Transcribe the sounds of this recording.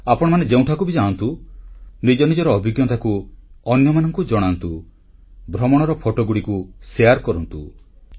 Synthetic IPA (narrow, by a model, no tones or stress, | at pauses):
apɔɽ̃ɔmaned͡ʒew̃ʈʰakubid͡ʒaɔnt̪u | nid͡ʒɔnid͡ʒɔɾɔːbʱiɡjɔt̪ʰakuɔnjɔmanɔŋkud͡ʒɔɽ̃ant̪u | bʱɾɔmɔɽ̃ɔɾɔpʰoʈoɡuɽikuseaɾkɔɾɔnt̪u